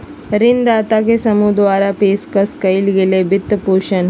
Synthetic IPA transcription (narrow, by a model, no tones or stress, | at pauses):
ɾɪnd̪aːt̪akesəmud̪ʋaːɾapeːskəskəilɡeːlebɪt̪ːəpuʃən